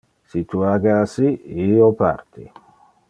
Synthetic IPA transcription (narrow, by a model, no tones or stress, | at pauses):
sit̪uaɡasiiopa̰rt̪ḭ